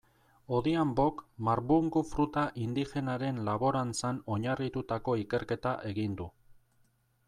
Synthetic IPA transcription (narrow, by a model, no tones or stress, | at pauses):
o̞ðiambo̞kmaɾβuŋɡufɾut̪aʔind̪ixe̞naɾe̞nlaβo̞ɾant͡sano̞ɲarit̪ut̪ako̞ike̞ɾke̞t̪aʔe̞ɣind̪u